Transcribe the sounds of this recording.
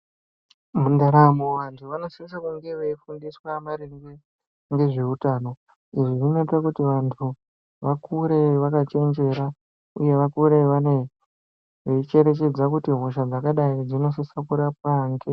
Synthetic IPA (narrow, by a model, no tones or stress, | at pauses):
mundaɾamoʋantʰuʋano̞siis̬akuŋɡeʋeifundiswamaɾiŋɡe | ŋɡe̞ʐe̞utaːno̞ | iʐiʐinoitakutiʋantʰu | ʋakuɾeʋakat͡ʃe̞nd͡ʒe̞ɾa | uje̞ʋakuɾeʋane | ʋeit͡ʃe̞ɾe̞t͡ʃe̞d͡zakutiɦoʃ̬ad͡zakaɗaid͡zino̞sosakuɾapaŋɡe